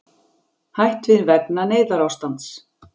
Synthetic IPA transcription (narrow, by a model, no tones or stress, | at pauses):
hajht̪vɪðɪnvɛk̚naneːjðaɾawst̪ant̪s